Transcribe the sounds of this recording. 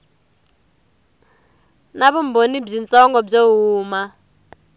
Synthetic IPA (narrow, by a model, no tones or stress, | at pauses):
naβɔm̩bonib͡ʐint͡sɔŋɡɔb͡ʐeɦuːma